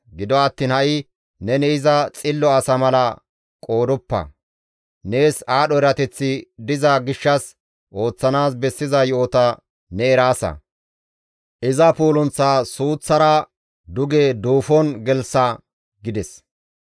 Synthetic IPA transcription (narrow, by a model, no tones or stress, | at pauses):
ɡɪd̪ɔɐt̪ːiːnhɐʔɪ | nɛnɛɪzɐt͡sʼɪlːɔɐsɐmɐlɐ | kʼo̞ːd̪ɔpːɐ̰ | ne̞ːsaːɗɔɛɾɐt̪ɛt͡sːɪd̪ɪzɐɡɪʃːɐs | ʔo̞ːt͡sːɐnaːs̬bɛsːɪzɐjoːt̪ɐ | nɛɛɾaːsɐ̰ | ʔɪzɐpuːlɔnt͡sːaːsuːt͡sːɐɾɐ | d̪ʊɡeːd̪uːfɔnɡɛlsɐ | ɡɪd̪ɛs